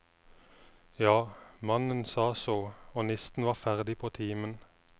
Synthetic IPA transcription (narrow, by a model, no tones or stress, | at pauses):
jɑːmɑnənsɑːsoːoːnɛst̪n̩ʋɑːʁfæʁd̪ɪpʰoːt̪ʰiːmən